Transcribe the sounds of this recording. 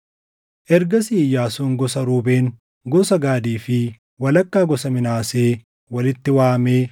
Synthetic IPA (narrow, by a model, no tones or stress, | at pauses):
ʔɛɾɡɐsiːjːaːsuːŋɡɔsɐɾuːbe̞ːn | ɡɔsɐɡaːd̪iːfɪ | wɐlɐkːaːɡɔsɐmɪnaːseː | wɐlɪt̪ːɪwaːmeː